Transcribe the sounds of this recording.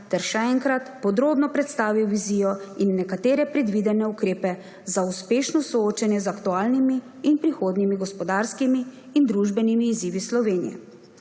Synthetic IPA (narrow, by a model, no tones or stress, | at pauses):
t̪ɛɾʃɛɛŋkɾat̪pɔd̪ɾoːbnɔpɾɛt̪st̪aːʋiwʋizijɔinːɛkat̪eːɾɛpɾɛd̪ʋid̪ɛnɛukɾeːpɛ | zauspeːʃnɔsɔoːt͡ʃanjɛzakt̪uaːlnimiː | npɾixoːd̪nimiɡɔspɔd̪aːɾskimiː | nd̪ɾuʒbɛnimiːziːʋislɔʋeːnḭjɛ̰